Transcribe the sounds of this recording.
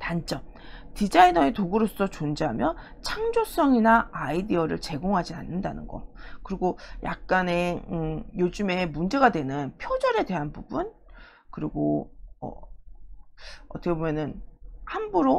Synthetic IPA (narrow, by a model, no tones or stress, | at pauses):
tant͡ɕ͈ʌm | tid͡ʑainʌetoɡɯɾosʰsʰʌt͡ɕond͡ʑeɦamjʌ | t͡ɕʰaŋd͡ʑos͈ʰʌŋinaaidiʌɾɯ̰ɭt͡ɕe̞ɡoŋɦad͡ʑia̰nːɯndanɯnɡʌ̰kɯɾiɡoja̰k̚k͈ane̞ɯjod͡ʑɯme̞mund͡ʑe̞ɡadwe̞nɯnpʰjod͡ʑʌɾe̞dwe̞ɦanbubun | kɯɾiɡoʌ̰ | ʌt͈ʰʌkebomjʌnɯnhambuɾo